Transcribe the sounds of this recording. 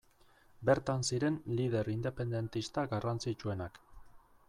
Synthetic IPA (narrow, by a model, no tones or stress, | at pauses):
be̞ɾt̪ansiɾe̞nlið̞e̞ɾind̪e̞pe̞nd̪e̞nt̪ist̪aɡarant͡sit͡ʃue̞nak